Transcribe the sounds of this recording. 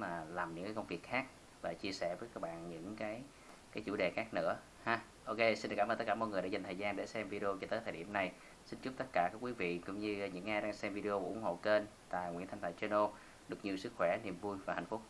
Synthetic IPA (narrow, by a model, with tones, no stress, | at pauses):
maː˨˩laː˨˩mɲɨ̰˧˥ŋkaː˨˦kə˧ŋ͡mvi˨˩ək̚xaː˦˥k̚ | vaː˨˩t͡ɕi˧əsɛ˧˩vəː˨˦jkaː˦˥k̚ɓa̰ː˧˨nɲɨ̰˧˥ŋkaː˨˦j | kaː˨˦jt͡ɕṵ˧˥ɗe˨˩xaː˦˥k̚nɨ̰˧˥ə | haː˨˧ | ʔo˧ke˧si˧nɗkːaː˧mə˧t̪ə˦˥kːaː˧˩mo˧˨jŋ˨˩əɗaː˧˦za˨˩ŋt̪ʰːjzaː˧nɗe˧˩sɛ˧mvi˧ɗe˧o˧t͡ɕɔ˧t̪əː˨˦jt̪ʰəː˨˩ɗḭ˧˩əmna˨˩j | si˧nt͡ɕʊ˦˥p̚t̪ə˦˥t̚kaː˧˩kaː˦˥kwi˨˦vḭ˧˨kʊ̰˧˥ŋ͡mɲɨ˧ɲɨ̰˧˥ŋʔaː˧jɗaː˧ŋsɛ˧mvi˧ɗe˧o˧kṵ˧˩ʔʊ˧˦ŋ͡mho̰˧˨ke˧n | t̪a̰ː˧˨jŋḭ˧˥nt̪ʰŋt̪a̰ː˧˩jt͡ɕɛ˧no˧ | ɗɨ˨˩ək̚ɲi˨˩əsɨ˦˥k̚xwɛ˧˩ni˨˩əmvu˧jvaː˨˩ha̰˨˧˩jŋ̟fʊ˦˥k͡p̚